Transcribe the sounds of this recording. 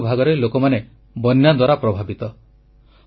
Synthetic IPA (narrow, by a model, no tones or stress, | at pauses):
bʱaɡɔɾelokɔmane | bɔnjad̪waɾapɾɔbʱabit̪ɔ